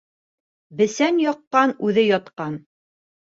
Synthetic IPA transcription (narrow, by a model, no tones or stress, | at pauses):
bɘ̆sænjɒqːɑnʉðɘjɒt̪qɑn